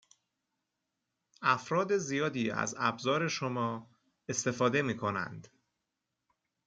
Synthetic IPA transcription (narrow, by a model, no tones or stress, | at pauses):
æfɾɒːd̪e̞zijɒːd̪iːæ̰zæ̰bzɒːɾe̞ʃomɒː | est̪e̞fɒːd̪e̞miːkʰo̞næ̰nd̪̥